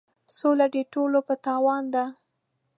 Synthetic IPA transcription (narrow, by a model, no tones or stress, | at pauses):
solad̪eʈolopət̪ɑwɑnd̪a